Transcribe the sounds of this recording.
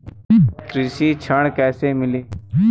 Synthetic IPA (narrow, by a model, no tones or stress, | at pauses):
t̪ɾisiːt͡ʃʰəɳkɛːseːmɪliː